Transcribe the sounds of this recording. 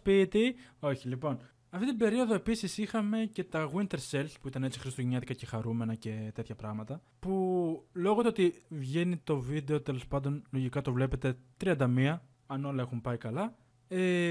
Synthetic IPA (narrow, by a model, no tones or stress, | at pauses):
spit̪ioçilipo̞n | ɐft̪it̪̬ibe̞ɾio̞ðoe̞pisisixɐme̞ce̞t̪ɐɣwint̪e̞ɾse̞lspuit̪ɐne̞t͡si̥xɾist̪oʝiɲɐt̪ikɐce̞xɐɾume̞nɐce̞t̪eθçɐpɾɐɣmɐt̪ɐ | pulo̞ɣot̪oot̪ivʝe̞nit̪o̞vid̪e̞o̞t̪e̞lo̞spɐnd̪o̞nlo̞ʝikɐt̪o̞vle̞pe̞t̪e̞t̪ɾiɐnd̪ɐmiɐ | ɐno̞lɐe̞xumpɐikɐlɐ | e